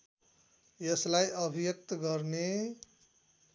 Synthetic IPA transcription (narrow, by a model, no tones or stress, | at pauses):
jʌslajʔʌbʱijʌk̚t̪ʌɡʌrne